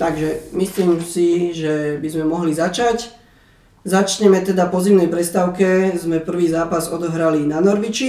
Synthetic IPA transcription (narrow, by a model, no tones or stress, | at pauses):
t̪aɡʒɛmisliːmsiʒɛbizmɛmɔɦlizat͡ʃac | zat͡ʃɲɛmɛt̪ɛd̪apɔzimnɛjpɾɛst̪aʊkɛzmɛpr̩ʋiːzaːpazɔd̪ɔɦɾalinanɔɾʋit͡ʃi